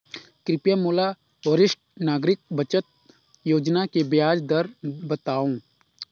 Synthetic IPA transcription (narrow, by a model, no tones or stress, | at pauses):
kɾɪpjamuːla | ʋəɾɪʃʈ̚naːɡɾɪk̚bɐt͡ʃət̪̚ | joːd͡ʒnakebjaːd͡ʒd̪əɾbɐt̪aːũː